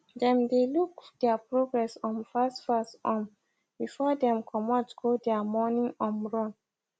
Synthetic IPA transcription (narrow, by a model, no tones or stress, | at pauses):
dɛ̃mdelukdɛapɹoɡɹɛsɔ̃nfastfastɔ̃m | b̥ifɔdɛ̃mkʰɔmɔtɡ̥odɛamɔnĩŋɔ̃nɹɔ̃n